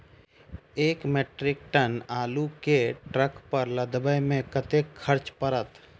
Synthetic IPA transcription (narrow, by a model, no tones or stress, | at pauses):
eːkmeːʈɾɪk̚ʈənaːlukeʈɾəkpəɾləd̪bəjmẽkət̪ekʰːəɾt͡ʃpəɾət̪